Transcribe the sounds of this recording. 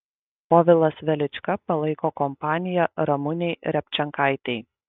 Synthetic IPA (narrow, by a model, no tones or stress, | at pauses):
pɔʋʲɪlˠɐsʋʲɛlʲɪt͡ʃʲkɐpɐlˠɐɪkoːkɔmpɑːnʲɪjɛɾɐmʊnʲɛɪɾʲɛpʲt͡ʃʲɛŋkɑɪt̪ʲɛɪ